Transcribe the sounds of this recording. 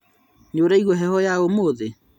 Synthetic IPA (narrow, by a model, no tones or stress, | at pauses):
noɾaiɣwɔɦɛhɔjaomoːðe